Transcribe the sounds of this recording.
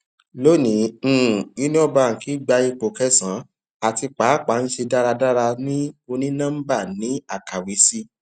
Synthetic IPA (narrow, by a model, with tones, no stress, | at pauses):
lo˦nĩ˨˦˨ | i˦nĩ˦ɔ˦ba˧˦˨ŋ̩˨ki˨˦ɡ͡ba˧i˧k͡po˨kɛ˦sã˨˦ | a˨ti˧k͡pa˨˦˨k͡pa˨˦n̩˦ʃe˧da˦ɾa˧da˦ɾa˧nĩ˦o˧nĩ˦nã˦m̩˦ba˦˨nĩ˨˦a˦˨ka˨wi˨˦si˦